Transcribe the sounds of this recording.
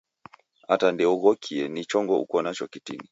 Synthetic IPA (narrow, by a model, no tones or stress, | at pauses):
atandɛɔɣɔkʰiɛnit͡ʃɔŋɡɔṵkɔnat͡ʃɔkitini